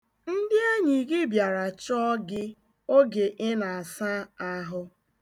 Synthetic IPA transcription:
n̩˦dɪ˦e˦ɲi˨ɡɪ˦bja˨ɾa˨t͡ʃɔ˦ɡɪ˦ | o˦ɡe˨ʔɪ˦na˨a˨sa˦a˦ɦʊ˦

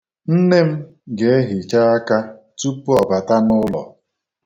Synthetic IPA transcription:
n̩˦ne˦m̩˦ | ɡe˨e˦ɦi˨t͡ʃa˦a˦ka˦ | tu˦pu˦ɔ˨ba˨ta˦nʊ˦lɔ̰˨

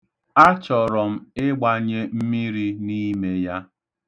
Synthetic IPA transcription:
a˦t͡ʃɔ˨ɾɔ˨m̩˦ɪ˦ɡ͡ba˦ɲe˦m̩˦mi˦ɾi˦ni˦me˦ja˦

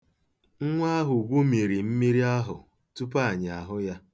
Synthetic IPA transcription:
ŋ̩˦ŋʷa˦ɦʊ˨ɡʷu˦mi˨ɾi˨m̩˦mi˦ɾi˦a˦ɦʊ˨ | tu˦p̬a˦˨ɲɪ˨a˨ɦʊ˦ja˦

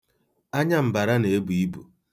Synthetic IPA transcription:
a˦ɲa˦m̩˨ba˨ɾa˦ne˨e˦bu˨i˦bṵ˨

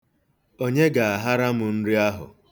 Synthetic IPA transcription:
o˦ɲe˦ɡa˨a˨ɦa˦ɾa˦mʊ˨n̩˦ɾi˦a˦ɦʊ̰˨

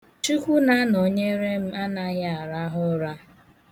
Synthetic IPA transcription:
t͡ʃi˦kʷu˦na˦no˨ɲe˦ɾe˦m̩˦a˦na˦ɣɪ˦a˨ɾa˦ɦʊ˦ɾa˦

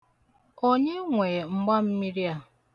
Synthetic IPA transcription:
o˦ɲe˦ŋʷe˨ŋ͡m̩˦ɡ͡ba˦m̩˦mi˦ɾja˨

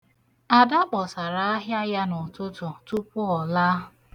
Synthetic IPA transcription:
a˨da˦k͡pɔ˨sa˨ɾa˨a˦ɦja˦ja˦nʊ˨tʊ˦tʊ˨tu˦pʊ˦ɔ˨la˦˨

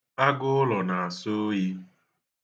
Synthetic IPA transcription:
a˦ɡʊ˦ʊ˦lɔ˨na˨a˨so˦ji˦

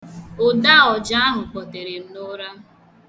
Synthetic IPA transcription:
o˨da˦ɔ˨d͡ʒa˦a˦ɦʊ˨k͡pɔ˨te˨ɾe˨m̩˦no˦ɾa˦

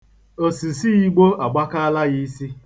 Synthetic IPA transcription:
o˨si˨si˦i˦ɡ͡bo˦a˨ɡ͡ba˦ka˦la˦ɣi˦si˦

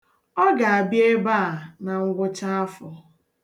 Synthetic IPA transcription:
ɔ˦ɡa˨a˨bje˦ba˦a˨na˨ŋ̩˦ɡʷʊ˦t͡ʃa˦a˦fɔ˨

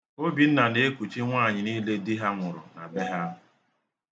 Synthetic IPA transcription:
o˦bi˨n̩˦na˨ne˦e˦ku˨t͡ʃi˦ŋʷaː˦˨ɲɪ˨ni˦le˦di˦ɦa˦ŋʷʊ˨ɾʊ̰˨na˨be˦ɦa˦˨

